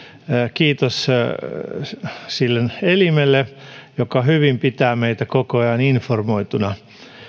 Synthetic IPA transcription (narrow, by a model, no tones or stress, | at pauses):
kiːt̪os | silːenelimelːejokɑhyʋimpit̪æːmeit̪ækokojɑːninformoit̪unɑ